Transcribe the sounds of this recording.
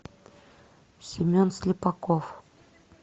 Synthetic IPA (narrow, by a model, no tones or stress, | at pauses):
sʲɪmʲonsʲlʲɪpakof